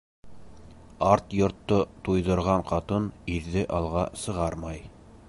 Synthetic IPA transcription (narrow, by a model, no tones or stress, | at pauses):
ɑɾt̪jŏɾt̪ːot̪ujðɤ̆ɾʁɑɴqɑt̪ɤniɾðɘʔɑlˠʁɑsɤ̆ʁɑɾmɑj